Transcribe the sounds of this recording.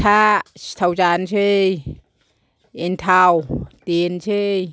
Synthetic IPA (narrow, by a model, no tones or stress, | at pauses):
t̪ʰast̪ʰawt͡ɕaːnt͡ʃʰej | ent̪ʰawt̪int͡ɕʰej